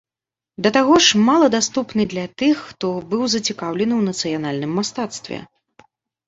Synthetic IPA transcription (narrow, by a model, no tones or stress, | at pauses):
d̪ɐt̪aɣɔʂmalˠɐd̪ast̪upnɨd̪lʲɐt̪ɨxːt̪ɔbɨwzɐt͡sʲikawlʲɛnɨwnɐt̪sɨjanalʲnɨmːast̪at̪st̪vʲɛ̰